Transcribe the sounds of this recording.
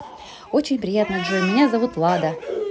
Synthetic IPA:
ot͡ɕɪnʲpɾʲɪjat̪nəʐɨmʲɪnʲazɐvut̪lˠad̪ə

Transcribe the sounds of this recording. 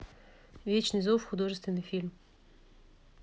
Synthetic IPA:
vʲet͡ɕnɨjzofxʊd̪oʐɨst̪vʲɪnːɨjfʲilʲm

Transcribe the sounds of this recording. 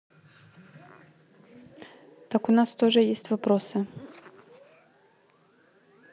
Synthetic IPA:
t̪akʊnast̪oʐəjesʲtʲvɐpɾosɨ

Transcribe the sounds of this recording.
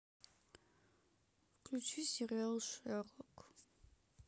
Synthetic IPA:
kʰʼlit̪sʰwisiʁɛlˠʃɛʁɔkʰ

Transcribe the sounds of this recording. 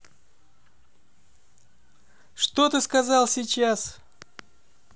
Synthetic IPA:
ʂt̪ot̪ɨskɐzɑlˠsʲit͡ɕas

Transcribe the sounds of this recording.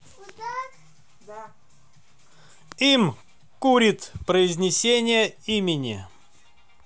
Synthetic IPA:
im | kuɾʲɪt̪pɾəɪzʲnʲɪsʲenʲɪjəimʲɪnʲɪ̰

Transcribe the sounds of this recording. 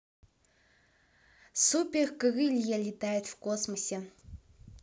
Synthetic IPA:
supʲerkɨɣɨlʲjalʲit̪ʰajet̪vkosmosʲe

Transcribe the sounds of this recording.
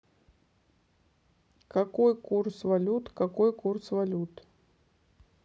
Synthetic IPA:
kakojkursvalʲut̪kakojkursvalʲut̪

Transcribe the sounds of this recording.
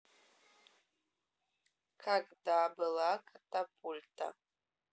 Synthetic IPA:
kʰakʼdaːbɨlakʼatʼapʼultʰʼa̰

